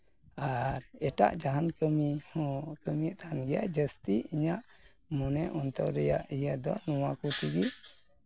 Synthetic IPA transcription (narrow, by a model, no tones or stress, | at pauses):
aɾɛʈa̰ʔd͡ʒaɦankəmihɔ̃kəmijaʔt̪aɦanɡɛja̰ʔd͡ʒəst̪iiɲaʔ | mɔnɛʔɔnt̪ɔwɾɛjaʔijad̪ɔnɔwakut̪iɡi